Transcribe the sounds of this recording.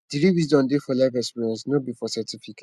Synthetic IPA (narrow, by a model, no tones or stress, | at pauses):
d̥iɾiwisdɔ̃ndefɔlajvɛspiɹɛ̃nsnɔbifɔsatifike